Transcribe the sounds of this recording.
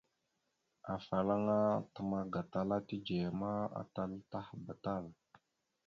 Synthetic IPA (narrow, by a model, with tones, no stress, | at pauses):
a˨fa˨la˦ŋa˦tə˨ma˦ɡa˨ta˨la˦ti˦d͡ʒe˨ja˨ma˦a̰˨ta˦lta˦hba˨ta˦˨l